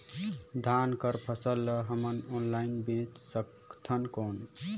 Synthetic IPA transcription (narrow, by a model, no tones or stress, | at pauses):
d̪ʱankəɾpʰəsəlːəɦəmənonlainbẽt͡ʃsək | t̪ʰənkon